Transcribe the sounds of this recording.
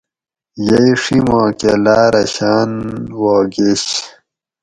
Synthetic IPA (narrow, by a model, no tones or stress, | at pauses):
jɐjʂimõːkelaːɾɐɕaːnwoːɡeɕ